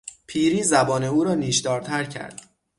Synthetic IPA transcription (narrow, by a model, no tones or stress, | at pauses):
pʰiːɾiːzæbɒːne̞uːɾɒːniːʃd̪ɒːɾt̪ʰæɾcʰæ̰ɾd̪̥